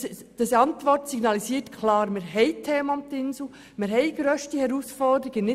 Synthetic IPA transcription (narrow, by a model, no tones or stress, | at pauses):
d̥əsɑntʋɔrtsiɡ̥nɑlisiːtkʰlɑːɾmɪɾɦɛɪtʰeːmʊmt̪ɪnsl̩ | mɪɾɦɛɪɡ̥ɾøːʃtihɛɾusfɔrdəɾiɡənɪ